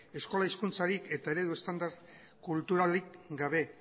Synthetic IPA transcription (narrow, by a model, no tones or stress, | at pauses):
e̞sko̞laiskunt͡saɾike̞t̪ae̞ɾe̞ðue̞st̪and̪aɾ | kult̪uɾalikɡaβ̞e̞